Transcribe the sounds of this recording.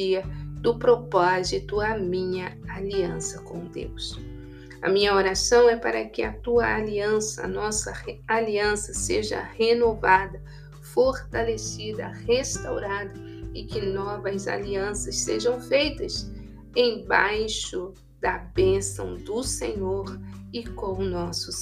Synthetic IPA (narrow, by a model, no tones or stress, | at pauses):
iɐd̪ʊpɾopɔzit̪ʊɐmĩɲɐaliɐ̃sɐkõd̪ḛws | ɐ̰mĩɲɐoɾasɐ̃w̃ɛpaɾɐkɪɐt̪uɐaliɐ̃sɐ̰ːnɔsɐaliɐ̃sɐseʒɐ̰henovad̪ɐ | foɾt̪alesid̪ɐ̰hest̪awɾad̪ɐ | ɪkɪnɔvɐza̰liɐ̃sɐsseʒɐ̃w̃fejt̪ɐs | ẽj̃bajʃʊ | d̪ɐbẽsɐ̰̃w̃d̪ʊseɲoɾɪkõnɔsʊ